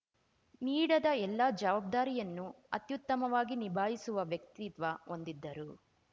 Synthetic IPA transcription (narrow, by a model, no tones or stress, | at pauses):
niːɽɐd̪ɐɛlːɐd͡ʒɐʋaːb̚d̪aːɾijɐnːu | ɐt̪jut̪ːɐmɐʋaːɡinibʱaːɦisuʋɐʋjɐk̚t̪it̪ʋɐond̪id̪ːɐɾu